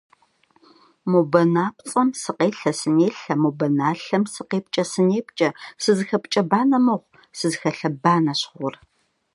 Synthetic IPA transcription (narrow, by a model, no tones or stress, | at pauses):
mobɐnaːpt͡sʼɐmsɨqeːɬɐsɨneːɬɐmobɐnaːɬɐmsɨqeːp̚t͡ʃʼɐsɨneːpt͡ʃʼɐsɨzxɐpt͡ʃʼɐbaːnɐmɐʁʷ | sɨzxɐɬɐbaːnɐɕχʷʊr